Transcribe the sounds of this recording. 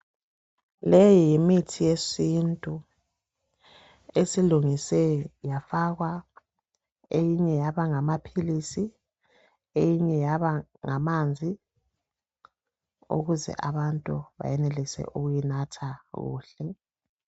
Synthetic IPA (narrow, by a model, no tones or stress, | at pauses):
lejijimitʰijesintʼu | esiluŋisɛjafaɣwa | ejiɲɛjaβaŋamapʰilisi | ejiɲɛjaβaŋamand͡zʱi | ṵɣuzɛ̰ʔaβantʼuβa̰jɛnelisɛ̰ʔuɣujinatʰaɣṵːɬɛ